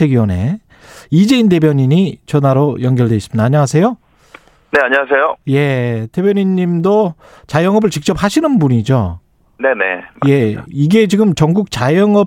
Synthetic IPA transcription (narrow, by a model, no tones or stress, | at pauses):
eɡiʌne̞̰ | id͡ʑe̞inde̞bjʌɲiɲit͡ɕʌnaɾojʌŋɡjʌɭdwe̞iɕsɯmid̪aːɲaŋasʰe̞jo | ne̞aɲʌwasʰejoje̞te̞bjʌɲiɲːimdo | t͡ɕajʌŋʌbɯɭt͡ɕik̚t͡ɕ͈ʌp̚haɕʰinɯnbuɲid͡ʑo | ne̞nḛje̞iɡe̞t͡ɕiɡɯmt͡ɕʌŋɡuk̚t͡ɕajʌŋʌ